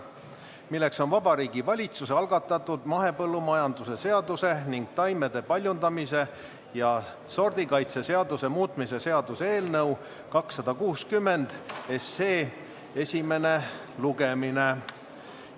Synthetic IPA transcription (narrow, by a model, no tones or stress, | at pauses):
milːe̞kso̞nvɑbɑɾiːɡ̥ivɑlʲit̪sus̬eɑlɡ̥ɑt̪ːˑɑt̪ːˑud̪̥mɑɦe̞pɤlːumɑjɑnd̪use̞se̞ɑd̪use̞niŋɡ̥̚t̪ɑjme̞d̪̥e̞pɑlʲjund̪ɑmise̞ | jɑ | so̞rd̪̥ikɑjt̪se̞se̞ɑd̪use̞muːt̪ˑmise̞se̞ɑd̪useːlnɤw | kɑksːɑd̪̥ɑkuːskymːe̞nd̪̥e̞seː | e̞sʲime̞ne̞ | luɡe̞mine